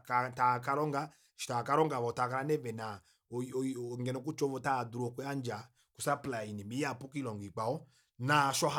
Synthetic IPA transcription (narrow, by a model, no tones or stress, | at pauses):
katakaɾɔŋɡa | ʃi̥takaɾɔŋɡavɔtakaɾanɛvɛna | ŋɡɛnɔkut͡ʃɔvɔtaduɾɔkuand͡ʒa | kusaplainɛmiapukilɔŋɡik͡paɔ | naʃɔha